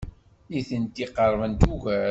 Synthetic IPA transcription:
iθənt̪iqəɾˤvənt̪uʝæɾ

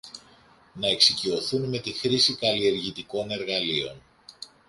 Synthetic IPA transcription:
nɐe̞ksicio̞θunme̞t̪ixɾisikɐlie̞ɾʝit̪iko̞ne̞ɾɣɐlio̞̰n

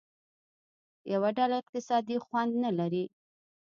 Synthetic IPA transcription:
jawaɖalaɪq̚t̪ɪsɑd̪ixwand̪nalaɾi

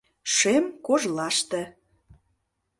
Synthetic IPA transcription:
ʃemkoʒlɑʃt̪ĕ

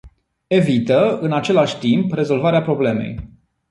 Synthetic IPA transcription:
e̞vit̪əɨnat͡ʃe̞laʃʲt̪impre̞zo̞lvaɾeapɾo̞ble̞me̞̰j

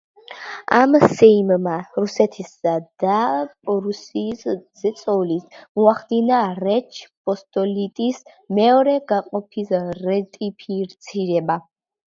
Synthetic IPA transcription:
a̰msɛimmaɾusɛt̪ʰisad̪̥apʼɾusiszɛt̪sʼɔlismɔaχd̪inaɾɛt͡ʃʰpʼɔst̪ʼɔlit̪ʼis | mɛɔɾɛɡaqʼɔpʰisɾɛt̪ʼipʰiɾt̪sʰiɾɛba

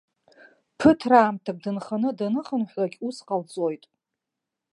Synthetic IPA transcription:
pʰɨtʰraːmtʰak̚ʼdɨnχanɨdanɨχənħʷlaɡʲusqʼalt͡sʼojtʼ

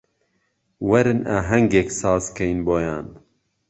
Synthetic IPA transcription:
wɐɾɨna̰ːɦɐŋɡeːksɑːzkɐjinboːjaːn

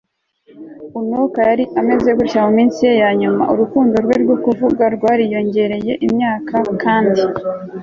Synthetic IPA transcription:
unokajaɾiame̞zejoɡuɾcamomiːnsije̞jaːɲuma̰ʔṵɾukuːndoɾɡweːɾɡo̞kuvuɡaɾɡwaːɾijo̞ɲɟe̞ɾe̞je̞ʔimɲaːkakaːndi

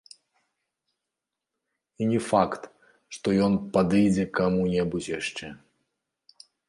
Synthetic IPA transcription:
inʲɛfakt̪ | ʂt̪ɔjɔnpad̪ɨjd͡zʲɛkamunʲɛbut͡sʲjaʂt͡ʂɛ

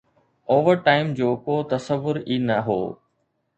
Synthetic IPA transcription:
oːʋəɾʈaːɪmd͡ʑoːkoːt̪ɐsəʋʊɾiːnɐɦo̰ː

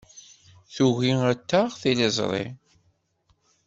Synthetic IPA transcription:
θuʝiæt̪ːaʁθilezˤɾˤḭ

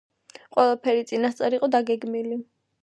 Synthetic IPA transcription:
qʼwɛlˠapʰɛɾit̪sʼinast̪sʼɛɾiqʼɔd̪aɡɛɡmili

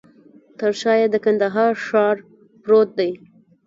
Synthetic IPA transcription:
t̪əɾʃɑjed̪əkand̪aɦɑɾʃɑɾ | pɾot̪̚d̪aj

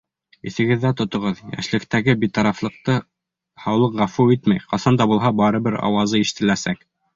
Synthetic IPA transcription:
ḭθɘ̆ɡɘ̆ðːæt̪ŏt̪ŏʁɤðjæ̰ʃlɘ̆kt̪æɡɘbit̪ɑɾɑflˠɤ̆q̚t̪ɤ | hɑwlˠɤqʁæfuit̪mæjqɑsɑnd̪ɑbulˠɦɑbɑɾɤ̆bɘɾɑ̰wɑzɤiʃɘ̥̆t̪ɘ̆læsæk

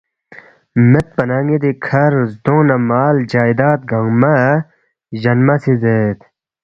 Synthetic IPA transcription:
met̪̚pɐnaːŋɡid̪ikʰɐɾzd̪õnɐmaːld͡ʑaːjd̪aːt̪̚ɡɐŋma | ʑɐnmɐsizeːt̪

